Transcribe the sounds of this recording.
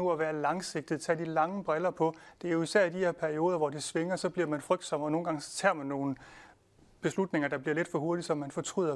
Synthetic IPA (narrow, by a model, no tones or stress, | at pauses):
uæʋæːɐlɑ̈ŋse̝ɡ̥̚d̥ið̩ˠt͡sʰɛ̰ːd̥ilɑ̈ŋəb̥ʁɛlɐpʰɒ̽d̥e̝æɐjoisæɐ̰idiheɐ̰pʰæɐio̝ːðˠɐʋɒd̥isʋe̝ŋɐsɒ̽b̥liɐmænfʁœɡ̥̚d̥sɒ̽m̰ɒno̝ːn̩ɡɑ̈ŋst͡sʰɛ̰ɐ̰mænːo̝ːn̩ | b̥e̝slud̥ne̝ŋɐd̥ɑ̈b̥liɐle̝d̥fɒ̽ɦoɐɾisɒ̽mːænfɒ̽t͡sʰʁy̰ːðˠɐ